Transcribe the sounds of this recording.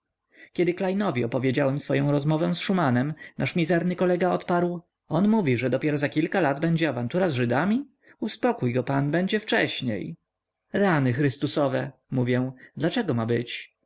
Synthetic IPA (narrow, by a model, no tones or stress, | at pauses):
kʲɛd̪ɘklajnɔvʲiɔpɔvʲjed͡ʑawɛmsfɔjɔ̃w̃ɾɔzmɔvɛ̃sʂumanɛmnaʂmʲizɛɾnɘkɔlɛɡaɔt̪paɾw | ɔnmuvʲiʐɛd̪ɔpʲjɛɾɔzakʲilkalad̪bɛɲd͡ʑɛavant̪uɾazʐɘd̪amʲi | uspɔkujɡɔpanbɛɲd͡ʑɛft͡ʂɛɕɲḛj | ɾanɘxɾɘst̪usɔvɛmuvʲjɛw̃d̪lat͡ʂɛɡɔmabɘt͡ɕ